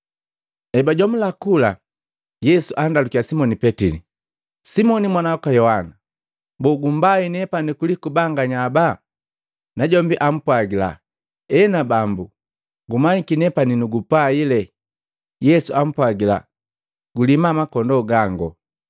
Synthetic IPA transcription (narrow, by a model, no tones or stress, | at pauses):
ɛbaɟɔmulakula | jɛsuʔandalukijasimɔnipɛtilḭ | simɔnimwanawakwajɔhana | bɔɡumbainɛpanikulikubaŋɡaɲaba | naɟɔmbiʔam̩pwaɡila̰ | ɛnabambu | ɡumaɲikinɛpaninuɡupailɛ | jɛsuam̩pwaɡila̰ | ɡulimamakɔndɔɡaŋɡɔ